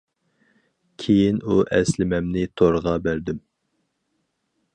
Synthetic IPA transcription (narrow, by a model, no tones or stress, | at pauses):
kʲʰejinuʔɛslɪmɛmnɪt̪ʰoɾəʁɑbæɾd̪ym